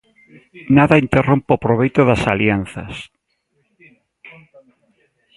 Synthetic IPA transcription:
naðaint̪erompopɾoβ̞ejt̪oðasaljan̟θɐ̰s

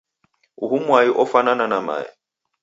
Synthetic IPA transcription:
uhumwaiʔɔfanananama̰ːɛ̰

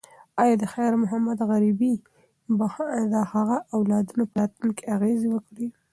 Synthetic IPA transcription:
ɑjɑd̪əxajɾmʊɦamad̪ɣaɾibi | bahd̪ahaɣaʔawlɑd̪unopəɾɑt̪unkeaɣezewəkɽi

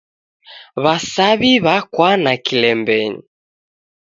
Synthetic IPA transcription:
βasaβiβakwanakilɛmbɛɲi

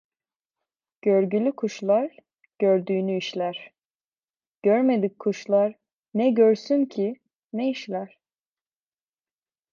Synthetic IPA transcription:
ɟ̥øɾɟylʲykʰuʃlˠaɾ | ɟ̥øɾd̪yːnyiʃlʲæɾ̥ | ɟ̥øɾmed̪ikkʰːuʃlˠaɾ | nɛɟøɾsyncʰi | nɛiʃlʲæɾ̥

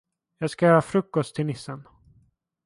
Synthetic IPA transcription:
jɑːɡskajœːɾafɾɵkːɔst̪ʰːɪlnɪsːən

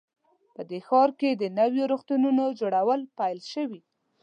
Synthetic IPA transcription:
pəd̪exɑɾked̪ənawjoɾoxt̪ununod͡ʒoɽawəlpajlʃəwi

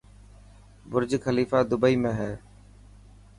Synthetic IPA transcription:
bʊɾd͡ʒkʰəliːfaːd̪ʊbəiːmẽːɦɛː

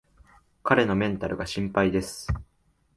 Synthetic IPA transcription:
kaɾe̞no̞mẽ̞nt̪aɾɯ̟ɡaɕĩmpaid̪e̞sɨ̥

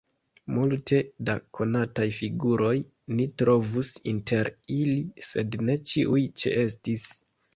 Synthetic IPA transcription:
multʰe̞dakʰo̞natajfiɡuɾo̞j | nitɾo̞vusḭntʰe̞ɾilise̞dne̞t͡ʃiʔujt͡ʃḛʔe̞s̬tis

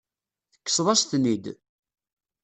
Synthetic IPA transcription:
θəkːə̥sˤðˤɑst̪nid̪

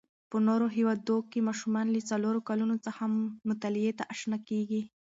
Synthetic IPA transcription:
pənoɾoɦiwɑd̪okemɑʃumɑnlit͡saloɾokalunot͡səxamːʊt̪alɪjet̪aʔaʃnakeɡi

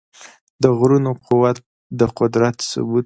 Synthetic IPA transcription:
d̪əɣɾunoquwat̪̚ | d̪əqʊd̪ɾat̪sʊ̰bu

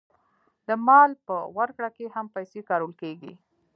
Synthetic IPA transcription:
d̪əmɑlpəwaɾkɽakehampajsekɑɾəlkeɡḭ

